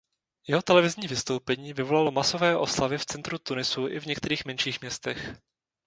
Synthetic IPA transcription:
jɛɦo̞t̪ɛlɛvɪzɲiːvɪst̪o̞wpɛɲiːvɪvo̞lalo̞maso̞vɛːʔo̞slavɪft͡sɛnt̪ɾut̪unɪsuʔɪvɲɛkt̪ɛɾiːxmɛnʃiːxmɲɛst̪ɛx

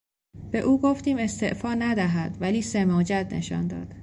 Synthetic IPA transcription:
b̥e̞ʔuːɡoft̪iːme̞st̪e̞ʔfɒːnæd̪æɦæd̪væliːsemɒːd͡ʒæd̪nʔe̞̰ʃɒ̰nd̪ɒ̰ːd̪̥

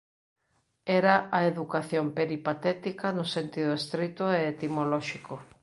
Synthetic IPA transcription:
ɛɾaʔɐeðukaθjompeɾipat̪ɛt̪ikɐnʊsent̪iðʊest̪ɾit̪ʊeːt̪imolɔʃiko

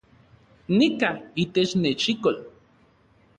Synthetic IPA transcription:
nikait̪et͡ʃnet͡ʃikol

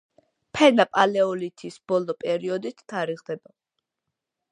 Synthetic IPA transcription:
pʰɛnapʼalɛɔlit̪ʰisb̥ɔlɔpʼɛɾiɔd̪it̪ʰːaɾiʁd̪ɛba

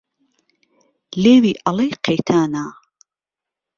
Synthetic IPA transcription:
leːwiːʔɐlejqʰejt̪ʰaːnaː

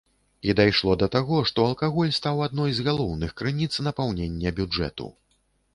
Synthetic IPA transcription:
id̪ajʂlˠɔd̪ɐt̪aɣɔʂt̪ɔɐlˠkaɣɔlʲst̪awad̪̚nɔjzɣalˠɔwnɨxkɾɨnʲit̪snɐpawnʲɛnʲːɛbʲud͡ʐɛ̰t̪ṵ

